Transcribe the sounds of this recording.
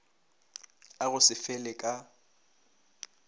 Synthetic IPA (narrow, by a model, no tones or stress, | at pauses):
aɣʊsɪfɛlɛkʼa